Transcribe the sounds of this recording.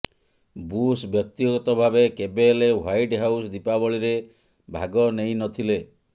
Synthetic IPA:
busbjɔk̚t̪iɡɔt̪ɔbʱabekebelewajʈɦawsd̪ipabɔɭiɾe | bʱa̰ɡɔnej̃nɔt̪ʰile

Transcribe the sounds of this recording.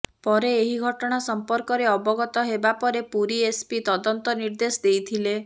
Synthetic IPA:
pɔɾeːɦiɡʱɔʈɔɽ̃asɔmpɔɾkɔɾeɔbɔɡɔt̪ɔɦebapɔɾepuɾiespit̪ɔd̪ɔnt̪ɔniɾd̪esɔd̪ejt̪ʰile

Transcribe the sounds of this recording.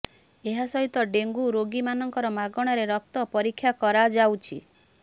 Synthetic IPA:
eɦasɔɦit̪ɔɖeŋɡuɾoɡimanɔŋkɔɾɔmaɡɔɽ̃ɔɾeɾɔk̚t̪ɔpɔɾikʰːjakɔɾad͡ʒawt͡ʃʰi

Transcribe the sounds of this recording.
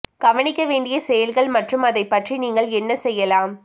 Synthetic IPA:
ɡ̥ɐʋɐnɪkːɐʋeːɳɖɪjɐsɛjɐlɣɐɭmɐʈrɯmɐðɐɪpːɐʈriniːŋɡɐɭɛnːɐsɛjːɐlaːm

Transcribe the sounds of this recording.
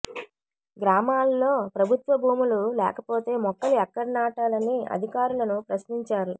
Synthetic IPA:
ɡɾaːmaːlːo̞ːpɾɐbʱut̪ʋɐbʱuːmululɛ̰ːkɐpo̞ːt̪e̞ːmɔkːɐluɛkːɐɽnaːʈaːlɐniɐ̰d̪ʱikaːɾulɐnupɾɐʃniɲt͡ʃaːɾu

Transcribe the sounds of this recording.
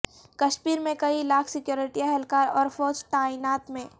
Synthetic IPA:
kɐʃmiːɾmẽkɐilaːkʰsɪkjoːɾɪʈiɛɦɛlkaːɾɔːɾfɔːd͡ʒt̪aːiːnaːt̪mẽː

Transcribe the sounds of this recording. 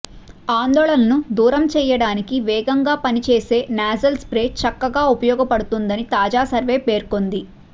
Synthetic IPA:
aːnd̪ɔːɭɐnɐnud̪uːɾɐmt͡ʃɛːjɐɽaːnikiʋɛːɡɐŋɡaːpɐnit͡ʃeːse̞ːnaːzɐlspɾe̞ːt͡ʃɐkːɐɡaːupɐjɔːɡɐpɐɽut̪und̪ɐnit̪aːd͡ʒaːsɐɾʋe̞ːpeːɾko̞nd̪i

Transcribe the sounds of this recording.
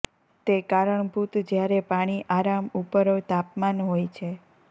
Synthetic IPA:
t̪ekaɾəɳbʱut̪d͡ʒjaɾepaɽ̃iʔaɾamupəɾot̪apmanɦojt͡ʃʰe

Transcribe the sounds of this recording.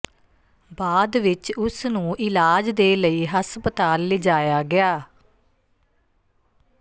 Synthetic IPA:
baːd̪ʋɪt͡ʃʊsnũːʔɪlaːd͡ʒd̪eːləiːɦəspət̪aːlːɪd͡ʒaːjaːɡɪaː

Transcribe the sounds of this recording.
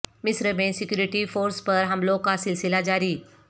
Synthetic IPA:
misɾəmesekjuːɾiʈifoɾspəɾɦəmlokasilsilad͡ʒaɾiː

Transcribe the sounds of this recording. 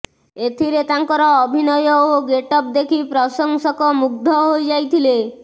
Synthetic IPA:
et̪ʰiɾet̪aŋkɔɾɔːbʱinɔjɔoɡeʈɔp̚d̪ekʰipɾɔsɔŋsɔkɔmuɡ̚d̪ʱɔɦojd͡ʒajt̪ʰile

